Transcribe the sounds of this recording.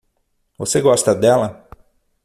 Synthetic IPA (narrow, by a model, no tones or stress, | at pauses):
vo̰seɡɔst̪ad̪ɛlˠa